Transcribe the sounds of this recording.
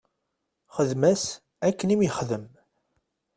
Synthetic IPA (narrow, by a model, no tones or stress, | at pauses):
χəðmæs | ækːənimjəχðəm